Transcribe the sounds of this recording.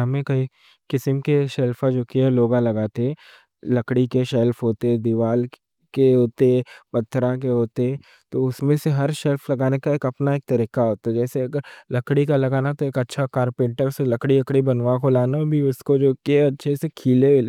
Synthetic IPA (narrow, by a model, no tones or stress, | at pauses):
ɦɐmẽkɐi | kɪsəmkeʃɛlfad͡ʒoːkiɦɛloːɡãlɐɡaːt̪eɛ̃ | lɐkɽikeʃɛlfɦoːt̪eɦɛd̪iʋaːl | keɦoːt̪eɦɛpɐt̪ʰːɾãk̬eɦoːt̪eɛ | t̪oʊsmẽseɦɐɾʃɛlfʰlɐɡaːnekaeːkɐpnaeːk̚t̪ɐɾiːkaɦoːt̪aɛd͡ʒɛːseɐɡəɾlɐkɽikalɐɡaːnat̪oeːkɐtːʃʰakaːɾpẽːʈəɾselɐkɽilɐkɽibɐnʋakolaːnabʱiʊskod͡ʒoːkeɐtːʃʰesekʰiːleʋɪ